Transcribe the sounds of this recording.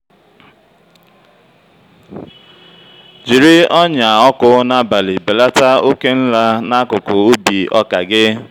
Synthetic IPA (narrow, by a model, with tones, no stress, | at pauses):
d͡ʒi˨ɾi˦ɔ˦ɲa˨ɔ˦kʊ˦na˦ba˨li˨be˨la˦ta˦o˦ke˦n̩˦la˦na˦kʊ˨kʊ˨o˦bi˨ʔɔ˦ka˨ɡɪ˦